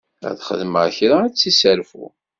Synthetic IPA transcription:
æ̰ðχə̰ðməʁçɾaːt͡sːisəɾfṵ

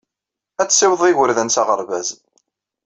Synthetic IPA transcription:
æt͡sːsiwðˤiʝəɾðənsɑʁəɾˤvæz

